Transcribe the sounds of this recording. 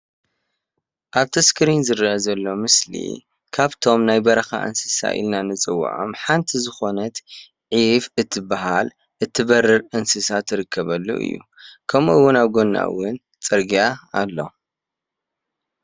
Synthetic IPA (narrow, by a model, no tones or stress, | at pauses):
ʔaβt̪ʰɐskɨɾinzɨɾiʔazɐlːo̞mɨslḭ | kʰaβt̪ʰo̞mnajbɐɾɐxa̰ʔɨ̰nsɨsa̰ʔḭlnanɨt͡sʼɨwːa̰ʕo̞̰mħant̪ʰizɨxo̞nɐt̪ | ʕifɨt̪ʰːɨbaɦal | ʔɨt̪ʰːɨβɐrːɨɾɨnsɨsat̪ʰːɨɾɨkʰːɐβɐlːo̰ʔɨ̰jːṵkʰɐmɨwːʊnaβɡo̞nːa̰wʊn | t͡sʼɨɾɡijaːlːo̞̰